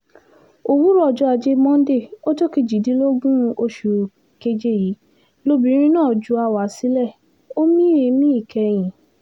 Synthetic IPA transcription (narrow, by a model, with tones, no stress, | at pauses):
o˨wu˦ɾɔ˧˨d͡ʒɔ˦a˧d͡ʒe˧mɔ̃˦n̩˦de˦˨o˦to˦ki˧˨d͡ʒi˨di˨˦lo˦ɡũ˦˧o˧ʃu˨ | ke˧d͡ʒe˦ji˨˦ | lo˦˧bĩ˨˧˦ɾ̃ĩ˦nãː˦˨d͡ʒu˨˧a˧wa˨˦si˦lɛ˦˨ | o˦mĩ˦e˧mĩ˦i˦˨kɛ˧j̃ĩ˨